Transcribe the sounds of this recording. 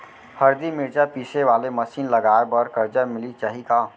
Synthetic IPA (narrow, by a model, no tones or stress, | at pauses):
həɾd̪imɪɾt͡ʃapiːseʋaːleməsiːnləɡaːɾbəɾkəɾd͡ʒəmɪlit͡ʃaːɦika